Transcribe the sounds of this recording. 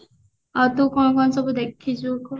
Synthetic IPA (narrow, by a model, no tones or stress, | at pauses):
ɔt̪ukɔnkɔnsɔbud̪ekʰːit͡ʃʰukɔ